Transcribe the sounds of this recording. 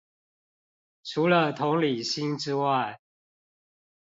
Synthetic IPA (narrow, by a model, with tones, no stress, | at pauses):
ʈ͡ʂʰu˨˦lə˨t̪ʰʊ˨˦ŋli˨˩ɕi˦nʈ͡ʂɻ̩˦wa˥˨ɪ